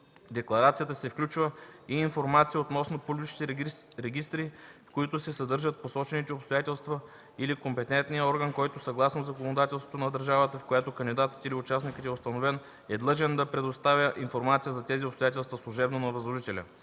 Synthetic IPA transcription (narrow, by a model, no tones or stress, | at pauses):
d̪ɛklˠɐɾat̪sijət̪əsɛfklʲut͡ʃvəiːnfoɾmat̪sijəot̪nɔsnopublʲit͡ʃnit̪ɛɾɛɡʲist̪ɾikoit̪ʊsɛsɐd̪ɤɾʒət̪̚posɔt͡ʃɛnit̪ɛopst̪ojat̪ɛlˠst̪və | ilikompɛt̪ɛnt̪nijəɔɾɡənkɔjt̪osɐɡlˠasnozɐkonod̪at̪ɛlˠst̪vŏt̪onɐd̪əɾʒavət̪əfkojat̪okɐnd̪ʲid̪at̪ə̥t̪iliʊt͡ʃasnikət̪ɛʊst̪ɐnovɛn | ɛd̪lˠɤʒɛnd̪ɐpɾɛd̪ost̪avʲəʔinfoɾmat̪sijəzɐt̪ɛziopst̪ojat̪ʲɛlˠst̪vəslˠuʒɛbnonɐvɐzlˠoʒit̪ɛlʲə̰